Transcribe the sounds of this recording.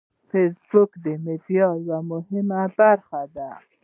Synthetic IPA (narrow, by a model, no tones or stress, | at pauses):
fesbʊkd̪əmed̪jɑwamʊhɪmabaɾxad̪a